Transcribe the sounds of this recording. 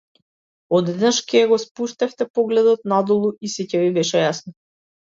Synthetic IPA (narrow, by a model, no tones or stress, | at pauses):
ɔd̪ɛd̪naʃkɛjaɡɔspuʃt̪ɛft̪ɛpɔɡlɛd̪ɔt̪̚nad̪ulˠuisɛcɛvibɛʃɛjasnɔ